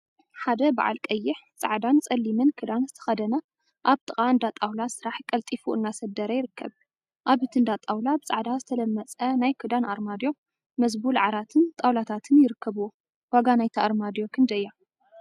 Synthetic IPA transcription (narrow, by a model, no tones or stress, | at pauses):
ħad̪ɐba̰ʕa̰lkʼɐjːɪħt͡sʼa̰ʕd̪ant͡sʼɐlːimɨnkʰɨd̪anzɨt̪ʰɐ̥xɐd̪ɐnɐ | ʔaβt̪ʼɨχʼaɨnd̪at̪ʼawlasɨɾaħkʼɐlt̪ʼifuʔɨnːasɐd̪ɐɾɐjɪɾɨkʰːɐβ | ʔaβɨt̪ʰɨnd̪at̪ʼawlabɨt͡sʼa̰ʕd̪azɨt̪ʰɐlɐmːɐt͡sʼɐnajkʰɨd̪anʔaɾmad̪jo̞ | mɐzbulʕaɾat̪ʰɨnt̪ʼawlat̪ʰat̪ʰɨnjɪɾɨkːɐβuwo | waɡanajt̪ʰiaɾmad̪jokʰɨnd̪ɐɨjːa